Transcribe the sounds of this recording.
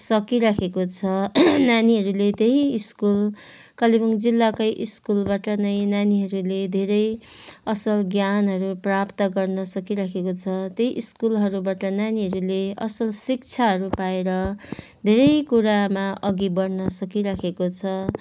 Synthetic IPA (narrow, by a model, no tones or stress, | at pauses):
sʌkiɾakʰekot͡sʰʌnaniɦʌɾulet̪eɦiːskul | kʌlibʌŋd͡zilːakʌjʔiskulbaʈʌnʌjnaniɦʌɾuled̪ʱeɾʌj | ʌsʌlɡjanɦʌɾuprapt̪ʌɡʌrnʌsʌkiɾakʰekot͡sʰʌt̪eɦiʔiskulɦʌɾubaʈʌnaniɦʌɾuleʌsʌlsik̚t͡sʰaɦʌɾupaeɾʌ | d̪ʱeɾʌjkuɾamaʔʌɡibʌrnʌsʌkiɾakʰekot͡sʰʌ